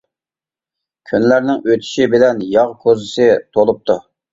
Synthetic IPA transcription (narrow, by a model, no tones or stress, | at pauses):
kʲʰynlæɾnɪŋøt̪ʰɪ̥ʃibɪlɛnjɑʁkʰozɪsɪt̪ʰolˠup̚t̪ʰu